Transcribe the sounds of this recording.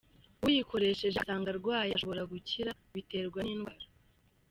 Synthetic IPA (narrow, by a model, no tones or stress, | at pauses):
wujiko̞ɾe̞ʃe̞ʒesaːŋɡaɾɡwaːjaʃo̞βo̞ɾaɡuciɾa | βite̞ːɾɡwaniːnɡwaːɾḁ